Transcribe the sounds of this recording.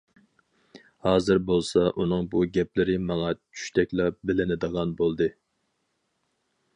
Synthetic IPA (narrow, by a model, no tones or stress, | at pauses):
hɑːzɨɾbolˠsɑʔunɨŋbuɡʲɛplɪɾɪmɑŋɑt͡ʃʰy̥ʃt̪ʰɛkʲlɑbɪlɪnɪd̪əʁɑnbolˠd̪ɨ